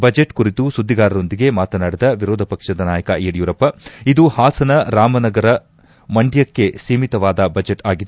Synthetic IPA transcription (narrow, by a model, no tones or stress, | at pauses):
bɐd͡ʒeʈkuɾit̪usud̪ʱːiɡaːɾɐɾo̞nd̪iɡe̞maːt̪ɐnaːɽid̪ɐʋiɾoːd̪ʱɐpɐkʂɐd̪ɐnaːjɐkɐʔɛɐɽjuːɾɐpːɐid̪uhaːsɐnɐɾaːmɐnɐɡɐɾɐ | mɐɳɖijɐkːe̞seːmit̪ɐʋaːd̪ɐbɐd͡ʒeʈaːɡid̪e